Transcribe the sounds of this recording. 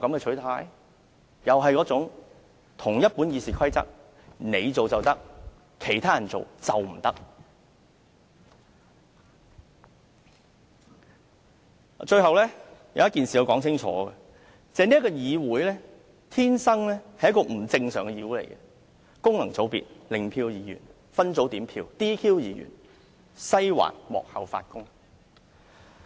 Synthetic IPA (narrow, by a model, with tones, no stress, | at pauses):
kɐ˨˥mkɛ˧t͡ʃʰɵ˨˥ɥt̪ʰaː˨˥j | jɐ˨wɦɐ˨jkɔː˨˥t͡sʊ˨˥ŋ | t̪ʰʊ˨˩ŋjɐ˥t̚puː˨˥njiː˧siː˨kʰɐ˥jt͡sɐ̰˥k̚ | ne˨˧jt͡so˨wt͡sɐ˨wt̪ɐ˥k̚ | kʰe˨˩jt̪ʰaː˥jɐ˨˩nt͡so̰˨wt͡sɐ˨wm̩˨˩t̪ɐ˥k̚ | t͡ʃɵ˧ɥɦɐ˨wlɛː˥jɐ˧wjɐ˥tkiː˨nsiː˨jɐ˧wkɔː˨˥ŋt͡sʰɪ˥ŋt͡ʃʰɔ̰ː˨˥ɡɛ˨ | t͡sɛː˨˧niː˥kɔː˧jiː˨˧wuː˨˥jlɛː˥ | t̪ʰiː˥nsɐ˥ŋlɛː˥hɐ˨jɐ˥tkɔː˧m̩˨˩t͡sɪ˧ŋsœ̰ː˨˩ŋɡɛ˧jiː˨˧wuː˨˥lḛ˨˩jkɛ˧ | kʊ˥ŋlɐ˨˩ŋt͡so˨˥wpḭ˨t̚lɪ˨ŋpʰiː˧wjiː˨˧jy̰ː˨˩n | fɐ˥nt͡so˨˥wt̪iː˨˥mpʰiː˧wt̪iː˥kʰiː˥wjiː˨˧jy̰ː˨˩n | sɐ˥jwa̰ː˨˩nmɔ̰ː˨k̚hɐ˨wfa̰ː˧t̚kʊ˥ŋ